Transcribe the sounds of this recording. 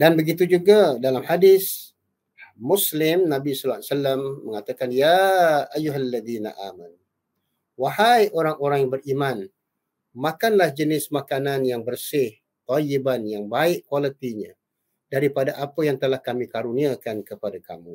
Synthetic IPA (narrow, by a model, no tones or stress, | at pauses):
danbəɡit̪̬ud͡ʒuɡadalamhadɪs | muslɪmnãbisɔlasalamːəŋat̪akanjaajuɦalːaðiːna̰ʔa̰ːmanu | waɦajʔoɾaŋoɾaŋbəriman | makanlahd͡ʒənɪsmakananjaŋbərsɪh | t̪ajibanjaŋbaɪʔkwalət̪iɲã | daɾipadaʔapəjaŋt̪əlahkamikaɾuniakankəpadaka̰mṵ̃